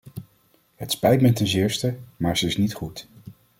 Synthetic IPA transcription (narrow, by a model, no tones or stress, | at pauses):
ɦətspɛjtmɛtɛnzɪːɹstəmaːɹzəɪsnitχut